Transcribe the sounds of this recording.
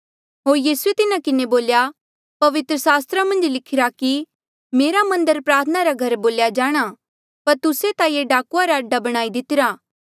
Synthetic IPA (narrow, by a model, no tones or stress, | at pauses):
ɦoːɾjiːsuet̪ɪnakɪneboːlja | pɐʋɪt̪ɾəsaːst̪ɾamɐ̃nd͡ʒlɪkʰɪɾaki | meːɾamɐ̃nd̪əɾpɾaːɾt̪ʰənaɾaɡʱɐɾboːljad͡ʒaːɽ̃a | pɐɾt̪ʊset̪ajeɖaːkuaɾaɐɖːabɐɽ̃aːid̪ɪt̪ɪɾaː